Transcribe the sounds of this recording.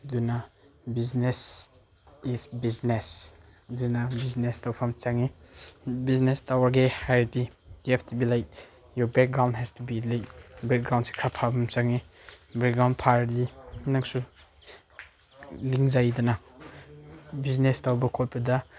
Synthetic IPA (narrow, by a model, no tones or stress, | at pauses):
dunabiznes | isbiznes | dunabiznestawpʰamt͡ʃaŋi | biznestawaɾɡehajɾdiɡɛfʰtubilajt̚ | jɔbɛk̚ɡɾawndɦɛstubilajtbɛk̚ɡɾaw̃nsi̥kʰɾapʰabʰamt͡ʃaŋibɛk̚ɡɾawndpʰaɾdinaksu | liŋzajdana | biznestawbɐkʰot̚pɐda